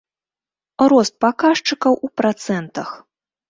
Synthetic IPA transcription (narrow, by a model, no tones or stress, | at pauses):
ɾɔst̪̚pakaʂt͡ʂɨkɐwʔupɾat̪sɛnt̪ɐx